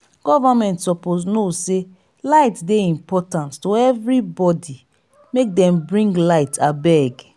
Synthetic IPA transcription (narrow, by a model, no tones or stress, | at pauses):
ɡ̥ɔvamɛ̃ntsɔpoznose | laɪtdeĩmpɔtãnttoɛvɹibɔdi | mek̚dɛ̃mbɹĩŋɡlaɪtʰabɛɡ